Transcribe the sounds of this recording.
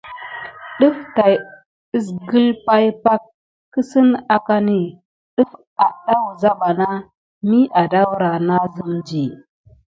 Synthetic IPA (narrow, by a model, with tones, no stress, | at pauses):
ɗu˦fta˨j | i˦s̬ɡə˦lpa˦jpa˦kː | i˦si˦na˨ka˦ni˨ | ɗu˦f | a˨ɗa˦wza˦ɓa˨na˦ | mi˦ʔa˨da˦wɾa˨na˦zi˦md͡ʒi˨